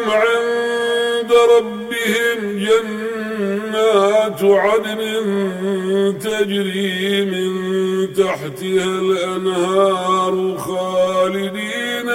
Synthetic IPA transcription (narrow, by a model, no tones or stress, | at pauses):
mʕɪn | d̪aɾˤɑbːɪhɪm | d͡ʒanː | aːt̪ʊʕad̪mɪn | t̪ad͡ʒɾiːmɪnt̪aħt̪ɪhalʔanhɑːɾˤxaːlɪd̪iːn